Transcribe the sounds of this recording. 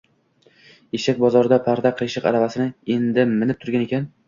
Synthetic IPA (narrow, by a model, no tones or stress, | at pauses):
eʃak̚ʲbɒzɒɾɪd̪apʰaɾd̪aqʰɨʃɪqa̰ɾavasɪnɪe̞nd̪ɪmɪnɪp̚t̪ʰʊɾɡʲane̞kʲʰan